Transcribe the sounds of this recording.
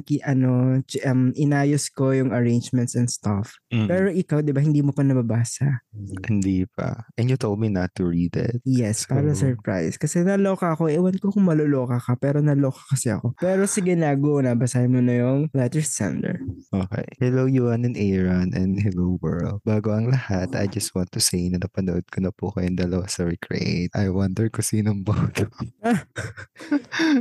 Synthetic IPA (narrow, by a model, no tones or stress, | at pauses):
kiʔɐnot͡ʃʔɐmʔɪnaːjoskojʊŋɐɹẽjnd͡ʒmɛ̃nt̪sɛnd̪st̪afpɛːɾo̞ʔɪkawd̪ɪbahɪnd̪iːmopɐnɐbɐbaːsɐhɪnd̪ipɐ̰ʔɛ̃njʊt̪olˠd̪̚minɐt̪ːʊɹiːd̪ɛ̰t̪̚jɛspaːɾɐsɛɹpɹa̰jskɐsɛnɐloːkɐɐkoʔʔɪwɐnkokʊŋmɐloloːkɐkɐpɛːɾo̞nɐlo̞ːkɐ̥kɐsɛɐ̰ko̞pɛːɾosɐɡɪnaːɡonɐbɐsahɪmonɐjʊŋlɛt̪ɛɹsɛ̰nd̪ɛ̰ɹʔoːkɛ̰jhɛlowjuɐnɛ̃nʔɛɹɐnɛ̃nhɛlowwɛ̰ɹld̪̚baːɡoʔɐŋlɐhat̪ɐ̰jd͡ʒɐst̪̚wãnt̪ːusejnɐnɐpɐnoʔod̪̚kʰonɐpuɐkɐjʊnd̪ɐlɐwasɐɹɛkʰɹɛ̰ʔḛɪt̪ɐjwɐnd̪ɛɹkʊsiːnoŋbod̪oa